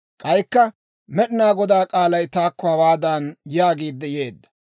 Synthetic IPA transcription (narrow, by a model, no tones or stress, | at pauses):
kʼɐjkːɐ | mɛɗɪnaːɡɔd̪aːkʼaːlɐjt̪aːkːɔhɐwaːd̪aːnjaːɡiːd̪ːɛjeːd̪ːɐ̥